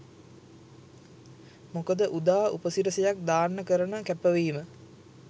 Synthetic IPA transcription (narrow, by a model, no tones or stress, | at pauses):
mokəd̪əʔud̪aːupəsiɾəsejak̚d̪aːrnəkəɾənəkæpəʋiːmə